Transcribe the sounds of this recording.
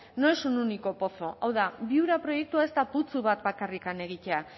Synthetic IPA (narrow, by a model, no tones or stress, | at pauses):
no̞esununiko̞po̞so̞ʔawðaβiuɾapɾo̞je̞k̚t̪uae̞st̪aput͡suβat̪bakarikane̞ɣ̞it̪e̞a